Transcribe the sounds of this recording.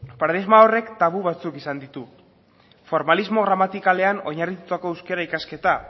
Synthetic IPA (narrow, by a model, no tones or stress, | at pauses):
paɾaðizmao̞re̞kt̪aβuβat͡sukisand̪it̪u | fo̞ɾmalizmo̞ɣ̞ɾamat̪ikale̞ano̞ɲarit̪ut̪ako̞ewske̞ɾaikaske̞t̪a